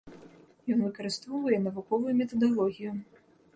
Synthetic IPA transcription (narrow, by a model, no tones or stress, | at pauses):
jɔnvɨkɐɾɨst̪vɔwvɐjɛnɐvukɔvujumʲɛt̪ɐd̪alˠɔɣʲiju